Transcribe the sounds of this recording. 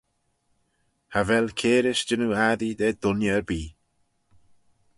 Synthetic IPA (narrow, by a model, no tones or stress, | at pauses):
havɛlkʰeːɾɪʃd͡ʒɪnuaðid̪ɛːd̪ʊnjəəɾbiː